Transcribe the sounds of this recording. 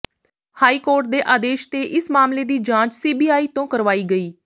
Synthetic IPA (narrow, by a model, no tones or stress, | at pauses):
haːiːkoːɾʈ̚d̪eːʔaːd̪eːʃt̪eːʔɪsmaːmleːd̪iːd͡ʒãːt͡ʃsiːbiːaːiːt̪õːkəɾʋaːiːɡəiː